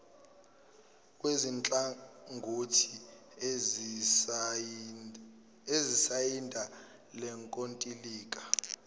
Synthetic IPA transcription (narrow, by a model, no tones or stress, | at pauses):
k̬ʼwezint͡ɬʼaŋɡʱotʰi | ezisajindʱa | lɛŋkʼontʼiliːkʼḁ